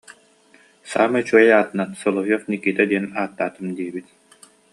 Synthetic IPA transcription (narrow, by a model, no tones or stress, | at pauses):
sa̰ːmɛt͡ɕuɔjaːt̪ɯnansɔlˠɔɦjɔfnikːit̪ɛd̪iɛnaːt̪ːaːt̪ɯmd̪iɛbit̪